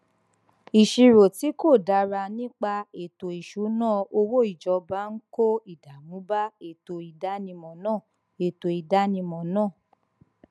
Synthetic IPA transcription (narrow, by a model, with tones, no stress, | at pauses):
i˨ʃi˧ɾo˨ti˨˦ko˦˨da˧˦ɾa˧nĩ˦k͡pa˧e˨to˨i˨ʃu˨˦nãː˦˨o˧wo˦i˦˨d͡ʒɔ˨˧˦ba˦n̩˦ko˦i˦˨da˨mũ˨˦ba˦e˨to˧i˨da˨˦nĩ˧mɔ̃˨nãː˦˨ | e˨to˨i˨da˨˦nĩ˧mɔ̃˨nãː˦˨